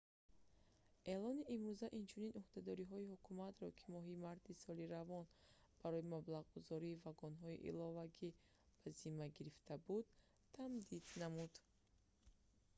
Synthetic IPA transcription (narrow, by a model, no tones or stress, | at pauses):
ʔe̞lɔniʔimɾuzaʔint͡ʃʰuninuhd̪ad̪ɔɾiɦɔihukʰumat̪ɾɔkʰi̥mɔɦimaɾt̪ʰisɔliɾavɔn | b̥aɾɔimablaʁɡuzɔɾiːvaɡɔnɦɔḭʔḭlɔvaɡi | b̥azimaɡiɾift̪ʰabud̪̚ | t̪ʰamd̪id̪namud̪